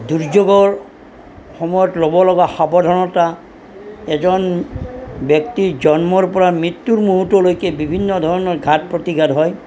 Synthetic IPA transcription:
duɹd͡ʒoɡɔɹ | xɔmɔjɔtlobɔlɔɡaxabɔdʱɔnɔta | ɛzɔn | bjɔktid͡ʒɔnmɔɹpɔɹamɹit̪ːuɹmuɦutɔlojkɛbibʱinːɔdʱɔɹɔnɔɹɡʱat̚pɹotiɡʱadɦɔj

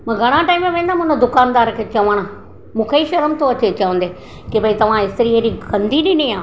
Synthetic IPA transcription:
mɐ̃ːɡʱɐɽ̃ãʈaːɪmẽʋẽːn̆d̪amʊ̃nə̃d̪ʊkaːnd̪aːɾkʰeːt͡ɕɐʋəɽ̃ | mũːkʰeiʃɐɾəmt̪ʰoɐt͡ɕet͡ɕɐʋə̃nd̪eː | kibɐit̪ɐʋ̤ãɪst̪əɾiɦeɾiɡɐ̃nd̪ʱiɗɪniaː

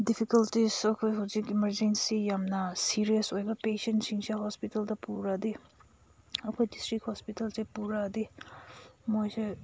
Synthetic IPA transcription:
dipʰikɐltizɐkʰojɦɐwzikimɐɾd͡ʒensijamnɐsiɾijsojbɐpesentsiŋseɦɔspitɐldɐpuɾɐdi | ɐkʰojdistɾikhɔspitɐlsepuɾɐdi | mojse

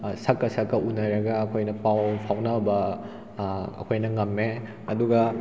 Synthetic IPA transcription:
sɐkːɐsɐkːɐʔunɐɾɐɡɐːkʰojnɐpawpʰawnɐbɐ | ɐ̰kʰojnɐŋɐmːe | ɐduɡɐ

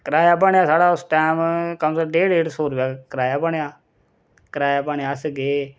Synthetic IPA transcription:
kəɾaːjaːpaːɳjaːsaːɽaːʊsʈaːmkəmsəɖeːɽeːɖsoːɾʋjaːkəɾaːjaːpaːɳjaː | kəɾaːjaːpaːɳejaːsɡeː

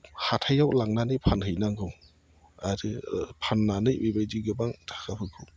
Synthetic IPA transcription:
hatʰajawlaŋnanɯpʰanɦɯjnaŋɡɯw | aɾɯpʰanːanɯjbibajdiɡɯbaŋtʰḁkʰapʰɯkʰɯw

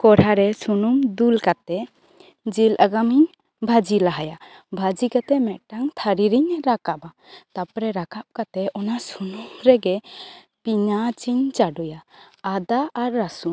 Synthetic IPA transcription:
kɔɾaɾɛsunumd̪ulkat̪ɛ | d͡ʒilʔaɡamiɲ | bʱad͡ʒilaɦajabʱad͡ʒikat̪ɛmɛʔ̪̚ʈaŋt̪ʰaɾiɾiɲɾakaba | t̪apɾɛɾakap̚kat̪ɛɔnasunumɾɛɡɛ | piɲat͡ʃiɲt͡ʃaɖujaːd̪aʔaɾːasu

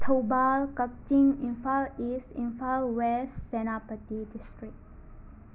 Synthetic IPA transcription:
t̪ʰəwbalkək̚t͡ʃĩŋĩnfalisʈĩnfalwessɛnapətidisʈɹik̚

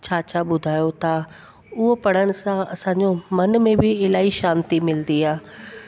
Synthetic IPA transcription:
t͡ɕaːt͡ɕaɓʊd̪ʱaːjot̪a | ʊɦopɐɽ̤əɽ̃ɪ̆sãɐsãɲd͡ʑomɐnmẽbɪɪlaːiʃãːnt̪imɪld̪iaː

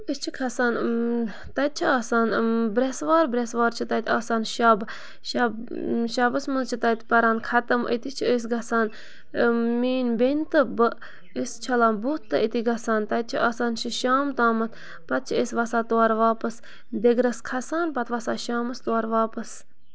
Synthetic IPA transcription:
əst͡ʃʰikʰɐsaːn | t̪ɐt̪̚t͡ʃʰiaːsaːnbɾesʋaːɾbɾesʋaːɾt͡ʃʰit̪ɐt̪ʲʰaːsaːnʃaːb | ʃab | ʃabɐsmɨlt͡ʃʰit̪ɐt̪pɐɾaːnkʰɐt̪ɐmʔə̰t̪it͡ʃʰiəs̬ɡɐsaːn | miːnbenʲt̪ɨbɨ | əst͡ʃʰɐlaːnbut̪t̪ːɨʔit̪iɡɐsaːnt̪ɐt̪̚t͡ʃʰiʔaːsaːnʃʰiʃaːmt̪aːmɐt̪̚ʰ | pɐt̪̚t͡ʃʰiesʋɐsaːt̪uwaːɾʋaːpɐs | d̪eɡɾɐskʰɐsaːnpɐt̪ʋɐsaːʃaːmɐst̪uwaːɾʋaːpɐs

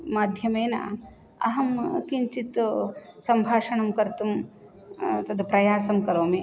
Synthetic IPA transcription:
maːd̪ʱjɐmeːnɐ̰ | ɐ̰ɦɐmkiɲt͡ʃit̪sɐmbʱaːʂɐɳɐmkɐɾt̪um | t̪ɐd̪upɾɐjaːsɐmkɐɾoːme

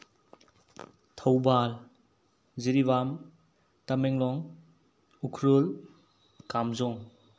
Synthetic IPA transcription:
tʰawbal | ziɾiβam | tameŋlɔŋ | ukʰɾol | kamzɔŋ

